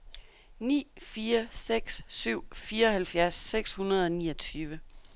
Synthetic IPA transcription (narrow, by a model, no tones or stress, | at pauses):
nḭːfiːɐseɡ̥sːyʊ̰fiːɐɒ̽hælfjæɐsːeɡ̥shunɐð̞ˠɒ̽niːɒt͡sʰyːʋə